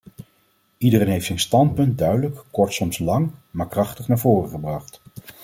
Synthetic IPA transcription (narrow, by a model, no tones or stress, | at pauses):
idərejnɦejftsɛjnstɑnt̚pɵnt̚dœɥdələkkɔɹtsɔmslɑŋmaːɹkrɑχtəχnaːɹvoːrəχəbrɑχt